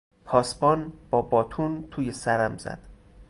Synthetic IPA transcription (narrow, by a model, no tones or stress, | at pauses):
pʰɒːsbɒːnb̥ɒːbɒːt̪ʰuːnt̪ʰuːjesæɾæmzæ̰d̪̥